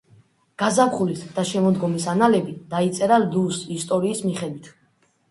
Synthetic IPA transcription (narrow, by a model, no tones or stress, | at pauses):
ɡ̥azamχulisd̪̥aʃɛmɔd̪ɡɔmisanalɛbid̪̥ait̪sʼɛɾaldusist̪ʼɔɾiːsmiχɛd̪wit̪ʰ